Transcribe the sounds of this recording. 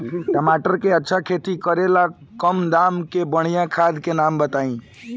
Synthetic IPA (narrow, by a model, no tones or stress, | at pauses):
ʈəmaʈəɾkeətːʃʰakʰet̪ikəɾela | kəmd̪amkebəɽ̤̃ijãkʰad̪kenambət̪aĩ